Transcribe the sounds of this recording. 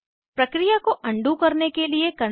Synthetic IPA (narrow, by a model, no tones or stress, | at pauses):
pɾɐkɾijakoʔɐ̃ɳɖʱukɐɾnekeliekɐɾ